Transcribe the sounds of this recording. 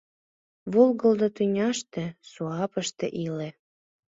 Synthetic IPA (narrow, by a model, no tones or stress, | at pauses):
βolɣəld̪ot̪ynʲɑʃt̪ĕsuɑpə̆ʃt̪ḛʔilĕ